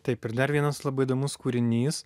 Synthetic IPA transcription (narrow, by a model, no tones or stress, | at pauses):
t̪ɐɪpɪɾd̪ɐɾʋʲiɛnɐslˠɐbɐɪɪd̪oːmʊskuːɾʲɪnʲiːs